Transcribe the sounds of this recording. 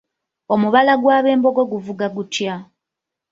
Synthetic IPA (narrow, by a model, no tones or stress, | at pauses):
o̞muβalaɡwaːβe̞ːmbo̞ɡo̞ɡuvuɡaɡutja